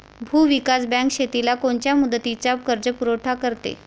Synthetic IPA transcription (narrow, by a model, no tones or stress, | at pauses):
bʱuːʋikasbɛ̃ŋkɕet̪ilakoɳt͡ɕjamud̪ːət̪it͡sakəɾd͡ʑəpuɾoʈʰakəɾt̪ḛ